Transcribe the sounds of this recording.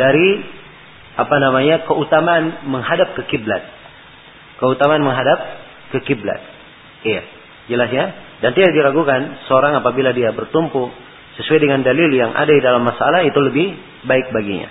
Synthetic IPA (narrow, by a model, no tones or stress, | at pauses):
daɾi | apanamaɲakəut̪amaːnməŋɦadap̚kəkibla̰t̪̚ | kəut̪amaːnməŋɦadap̚ | kəkibla̰t̪̚ | ja | d͡ʒəlasɲa | dant̪idadilaɡukansəoɾaŋapabiladiabərt̪umpu | səsuajdəŋandaliljaŋʔa̰dadidalamːasalaɦit̪uləbɪh | baɪk̚baɡiɲa̰